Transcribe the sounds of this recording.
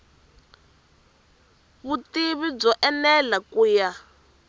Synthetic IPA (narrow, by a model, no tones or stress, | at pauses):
βutiβib͡ʐɔʔɛnɛlakuːja